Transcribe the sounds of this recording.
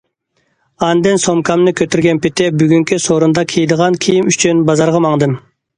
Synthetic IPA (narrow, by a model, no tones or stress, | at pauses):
ɑnd̪ɨnsomkʰɑmnɨkʲʰøt̪ʰyɾɡʲɛnpɪt̪ʰɪbyɡʲyŋkʲʰysoɾund̪ɑkʲʰijd̪əʁɑnkʲʰijimyt͡ʃʰynbɑzɑɾʁɑmɑŋd̪ɨm